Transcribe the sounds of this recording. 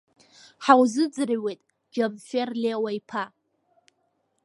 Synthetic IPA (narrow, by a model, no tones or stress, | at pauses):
ħawzɨd͡zrɥejtʼ | d͡ʒabferlewaipʰa